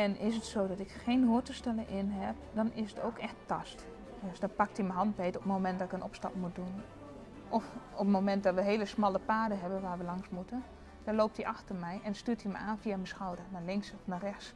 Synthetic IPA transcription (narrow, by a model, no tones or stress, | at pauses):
ɛnɪsətsoːdɔtɪkxeːnɦuətəstɛlənʔɪnɦɛp̚dɔnɪsətʰo̰ːkɛxtʰːɑst | døsdɔnpak̚timəɦɑnt̚bejtɔpəmomɛnt̚dɔtɪkənɔ̰pstɑ̰pmut̚dun | ʔɔfɔpmomɛnt̚dɔtʋəɦeːləsmɔlˠəpaːdəɦɛbənʋaːrʋəlɑŋsmutən | d̥ɔlowp̚tdiʔaxtərmɛjɛnstyːtimə̰aːnfiaməsxɔwdərnalɪŋksɔfnarɛxs